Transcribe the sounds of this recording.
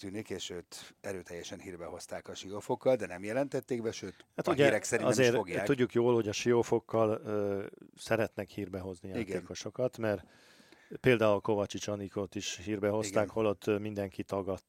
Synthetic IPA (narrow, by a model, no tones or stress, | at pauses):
t̪yːnikeːʃøːt̪ɛɾøːt̪ɛjːɛʃɛnhiːrbɛho̞st̪aːkɒʃiofokːɒld̪ɛnɛmjɛlɛnt̪ɛt̪ːeːɡbɛʃøːt̪hat̪uɟɛɾɛkssɛɾinɒɛzeːroɡjaːuɟːukjoːlho̞ɟɒʃijofo̞kːɒlː | sɛɾɛt̪nɛkhiːrbɛɦo̞znijaiɡ̪eːkoʃo̞kɒt̪mɛr | peːld̪aːulko̞vɒt͡ʃit͡ʃɒnikot̪iʃhiːrbɛɦo̞sɡ̪aːkholot̪ːmind̪ɛŋkit̪ɒɡɒt̪ː